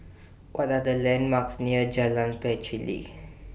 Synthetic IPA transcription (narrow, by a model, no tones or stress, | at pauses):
wʔɔtadəlɛ̃nmaksniəd͡ʒalãnpɛt͡ʃilḭ